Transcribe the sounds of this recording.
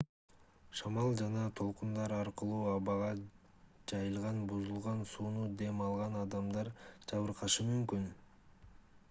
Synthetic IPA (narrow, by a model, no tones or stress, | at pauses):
ʃɑmɑlˠd͡ʒɑnɑt̪ʰo̞lˠqund̪ɑɾɑɾqɯlˠuːɑβɑʁɑ | d͡ʒɑjɯlˠʁɑnbuzulˠʁɑnsuːnud̪e̞mɑlˠʁɑnɑd̪ɑmd̪ɑɾd͡ʒɑβɯɾqʰɑʃɯmymkyn